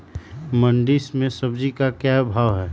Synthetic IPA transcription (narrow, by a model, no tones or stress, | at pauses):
məɳɖismẽsəbd͡ʒikakjabʱaːʋɦɛː